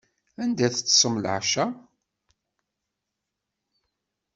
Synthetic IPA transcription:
ænd̪æθət͡sːsˤəmlʕʃæ

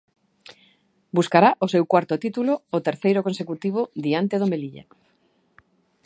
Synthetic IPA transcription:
buskaɾaʔʊsewkwaɾt̪ʊt̪it̪uloːt̪eɾθejɾʊkonsekut̪iβ̞ʊd̪iant̪eð̞omeliʎa̰

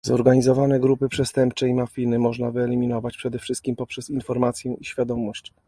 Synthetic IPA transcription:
zɔɾɡaɲizɔvanɛɡɾupɘpʂɛst̪ɛmp̚t͡ʂɛimafʲinɘmɔʐnavɘɛlʲimʲinɔvat͡ɕpʂɛd̪ɛfʂɘst̪kʲimpɔpʂɛsinfɔɾmat̪sʲjɛiɕfʲjad̪ɔmɔɕt͡ɕ

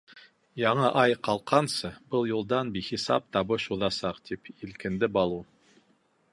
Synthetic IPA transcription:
jɑɴɤʔɑjqɑlˠqʰɑnsɤbɤlˠjulˠd̪ɑnbiχisɑ̰p̚t̪ɑβɤʃuðɑsɑqt̪ʰipilkɘ̆nd̪ɘbɑlˠu

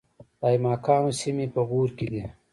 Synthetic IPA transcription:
d̪aːjmɑːkɑːnosimipəɣuːɾkid̪i

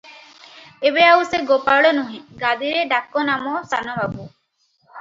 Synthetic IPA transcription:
ebeauseɡopaɽonuɦĩɡad̪iɾeɖakːonamosanɔʋabu

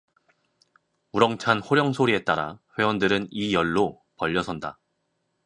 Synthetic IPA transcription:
uɾʌŋt͡ɕʰanɸoɾjʌŋsʰoɾie̞t͈aɾa̰ɸwe̞wʌndɯɾɯnijʌɭːo | pʌʎːʌsʰʌnda

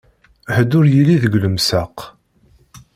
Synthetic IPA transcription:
həd̪ʊɾjilːiðəɡləmsaq

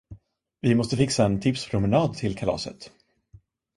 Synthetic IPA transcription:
vɪmɔst̪əfɪksaɛnt̪ʰɪpspʰɾʊmɛnɑːd̪t̪ʰɪlkʰalɑ̰ːsə̰t̪

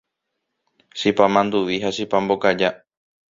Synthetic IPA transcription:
ʃipamãnd̪uʋiɦaʃipãmbokad͡ʒa

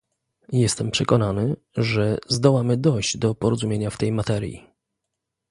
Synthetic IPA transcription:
jɛst̪ɛmpʂɛkɔnanɘ | ʐɛzd̪ɔwamɘd̪ɔjʑd͡ʑd̪ɔpɔɾɔzumʲjeɲaft̪ɛjmat̪ɛɾjḭ

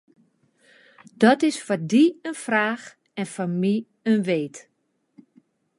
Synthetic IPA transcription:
d̥ɔtɪsfɔdiənfraːx | ɛnfɔmi | ənʋeːt

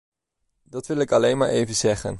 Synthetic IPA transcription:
dɑtʋɪlˠɪkɑlejnmaːɹʔejvənzɛχə̰n

